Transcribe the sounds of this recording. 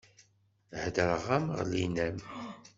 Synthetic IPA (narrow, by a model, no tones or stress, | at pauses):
hd̪əɾʁæmʁlinæm